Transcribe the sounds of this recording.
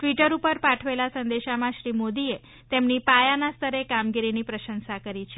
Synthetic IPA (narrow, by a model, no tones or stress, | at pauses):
ʈʋiʈəɾupəɾpaʈʰʋelasənd̪eʃamãʃɾimod̪ie | t̪emnipajanast̪ʰəɾekamɡiɾinipɾəʃənsakəɾit͡ʃʰe